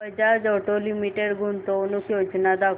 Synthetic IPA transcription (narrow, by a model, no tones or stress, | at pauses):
əd͡ʑad͡zɔʈolimiʈeɽɡʱunt̪onukjod͡ʑnad̪ak